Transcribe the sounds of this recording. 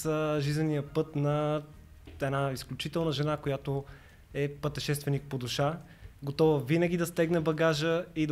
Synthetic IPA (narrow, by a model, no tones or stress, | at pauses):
əʒizənijəpɤt̪nɐ | ɛnaisklʲut͡ʃit̪ɛlˠnəʒɛnakojat̪o | ɛpət̪ɛʃɛst̪vɛnik̚pod̪ʊʃa | ɡot̪ɔvəvinəɡʲid̪ɐst̪ɛɡnɛbɐɡaʒəid̪